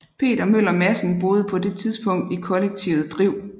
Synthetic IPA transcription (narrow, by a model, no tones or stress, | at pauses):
pʰe̝̰ːd̥ɐmøl̰ɐmæsn̩b̥o̝ːð̞̩ˠəpʰɒ̽d̥e̝t͡sʰiðˠsb̥ɔ̽ŋ̰d̥ikʰɒ̽leɡ̥̚t͡sʰiʊð̩ˠd̥ʁiʊ̰